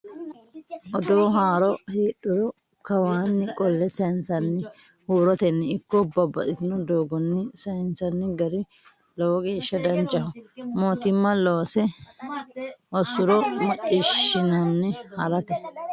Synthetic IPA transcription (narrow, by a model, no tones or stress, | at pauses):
ʔɔd̪oːɦaːɾɔheːɗʊɾɔ | kɐwaːnːɪkʼɔlːɛsɐjɪnsɐnːɪ | huːɾɔt̪ɛnːɪɪkːɔbːɐbɐʔɪt̪ɪnɔd̪oːɡɔnːɪsɐjnsɐnːɪɡɐɾɪ | lɔwɔɡeːʃːɐd̪ɐnt͡ʃʼːɐhɔmoːt̪ɪmːɐloːsɛ | ʔɔsʊɾɔmɐt͡ʃʼːɪʃɪnɐnːɪhɐɾɐt̪ɛ